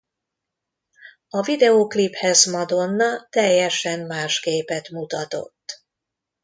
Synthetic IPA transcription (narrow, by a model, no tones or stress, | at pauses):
ɒvid̪ɛokliphɛzmɒd̪o̞nːɒt̪ɛjːɛʃɛmmaːʃkeːpɛt̪mut̪ɒt̪o̞̰t̪ː